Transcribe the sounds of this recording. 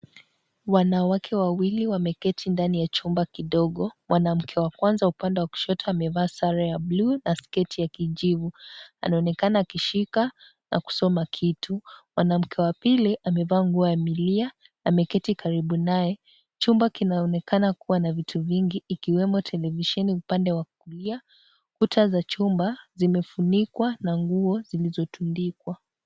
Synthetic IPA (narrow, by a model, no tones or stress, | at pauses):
wanawakʰɛwawiliwamɛkɛtʰindanijat͡ʃumbakiɗɔɠɔmwʔanam̩kʰɛwakwanzaupandɛwaku̥ʃɔtaːmɛvaːsaɾajablunaskɛtʰijakiʄivua̰naɔnɛkanaːkiʃika | nʔa̰ku̥sɔmakʰitʰumwanam̩kʰɛwapiliʔamɛvaːŋɡuɔjamilia | amɛkɛtikaɾiɓunajɛ | t͡ʃumbakinaɔnɛkʰanakuwanavitʰuviŋɡiːkiwɛmɔtʰɛlɛviʃɛniupandɛwakulia | kutʰazat͡ʃumbazimɛfunikwanaŋɡuɔzilizɔtundikwa